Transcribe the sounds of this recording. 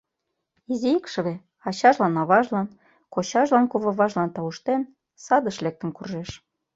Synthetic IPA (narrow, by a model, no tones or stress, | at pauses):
izeikʃə̆βe | ɑɕɑʒlɑnɑβɑʒlɑn | koɕɑʒlɑnkoβɑβɑʒlɑnt̪ɑuʃt̪en | sɑd̪əʃlek̚t̪ə̆nkurʒeʃ